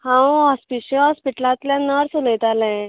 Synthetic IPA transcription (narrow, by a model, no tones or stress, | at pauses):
hãwɦɔspiɕɔ̃ɦɔspiʈəlãt̪ljãnəɾsuləjt̪alɛ̃